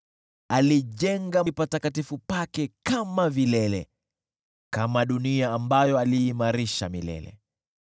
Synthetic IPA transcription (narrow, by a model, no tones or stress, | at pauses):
aliʄɛŋɡapatakatifupakɛkamavilɛlɛ̰ | kamaɗuniaːmbajɔaliːmaɾiʃa̰milɛ̰lɛ̰